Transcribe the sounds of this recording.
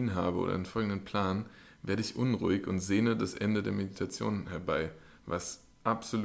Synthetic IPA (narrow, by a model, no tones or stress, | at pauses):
nɦa̰ːbəo̰ːd̰ɐ̰ʔa̰ɪnənfɔlɡŋ̩dənpʰl̥aːn | veːɐɾəɪçʔʊnʁṵːɪçʊntz̥eːədasʔɛndədeːɐmeditʰat͡sjo̰ːnnhɛɐbaɪ | vas | ʔapz̥ol